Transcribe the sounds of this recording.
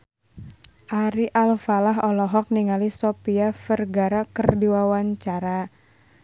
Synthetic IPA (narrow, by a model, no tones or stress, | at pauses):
ʔaɾiʔalfalaɦɔlɔɦɔk̚niŋalisɔpiafərɡaɾakərdiwawaɲt͡ʃaɾa